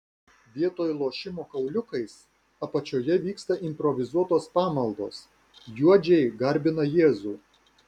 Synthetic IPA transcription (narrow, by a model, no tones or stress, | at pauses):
ʋʲiɛt̪oːjlˠoːʃʲɪmoːkɐʊlʲʊkɐɪs | ɐpɐt͡ʃʲoːjɛʋʲiːkst̪ɐʔɪmʲpɾɔʋʲɪzuɔt̪oːspɑːmɐlˠd̪o̰ːs | juɔd͡ʒʲɛɪɡɐɾʲbʲɪnɐjeːzuː